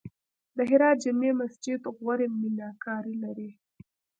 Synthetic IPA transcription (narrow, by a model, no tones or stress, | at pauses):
d̪əɦɪɾɑːt̪̚d͡ʒɪmemasd͡ʒɪd̪ɣwaɾeminɑkɑɾilaɾi